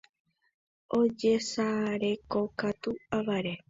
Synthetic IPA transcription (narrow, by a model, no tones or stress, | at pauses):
o̞d͡ʒesaɾe̞ko̞kat̪uaʋaɾe